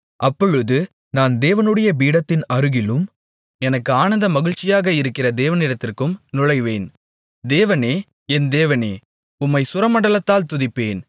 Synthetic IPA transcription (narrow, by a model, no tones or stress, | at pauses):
ʔɐpːɔɻɯðɯ | naːnd̪eːʋɐnɯɽɐjɐʋiːɽɐt̪ːɪnɐɾɯɣɪlɯm | ɛnɐkːɯaːnɐnd̪ɐmɐɣɪɻt͡ʃːɪjaːɣɐɪɾɯkːɪrɐd̪eːʋɐnɪɽɐt̪ːɪrkɯmnʊɻɐɪʋeːn | d̪eːʋɐneː | ɛnd̪eːʋɐneː | ʊmːɐɪsʊɾɐmɐɳɖɐlɐt̪ːaːlt̪ʊðɪpːeːn